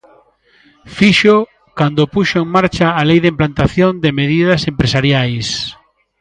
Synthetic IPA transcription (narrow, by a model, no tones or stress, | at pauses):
fiʃo | kand̪opuʃoeŋmaɾt͡ʃaːlejðɪimplant̪aθjond̪ɪmeðið̞ɐsempɾesaɾjajs